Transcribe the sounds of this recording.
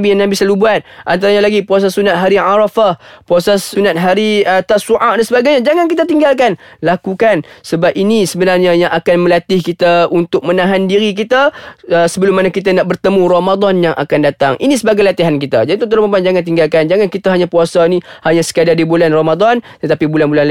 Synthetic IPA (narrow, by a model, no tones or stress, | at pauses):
bijaŋnabisalubuat̪̚ʔa̰nt̪̬aɾaɲalaɡipuas̬asunat̪̚ɦaɾiʕaɾafahpuasaunat̪̚ɦaɾiət̪asuʔaʔdansəbaɡajɲad͡ʒaŋankit̪̬at̪iŋɡalkanlakukansəbap̚inisəbənarɲajaŋʔakanməlat̪ɪhkit̪aunt̪ʊk̚mənaɦandiɾik̬it̪aəsəbəlʊmːanakit̪̬anaʔ̚bərt̪əmũɾamad̪ɔnjaŋʔa̰kandat̪a̰ŋʔḭnisəbaɡajlat̪iɦankit̪ad͡ʒadit̪ut̪̬ərɔmaband͡ʒaŋant̪iŋɡalkand͡ʒaŋankit̪aɦaɲapuasainihaɲasə̥kadardibulanromad̪ɔnt̪ət̪apibulanbulanl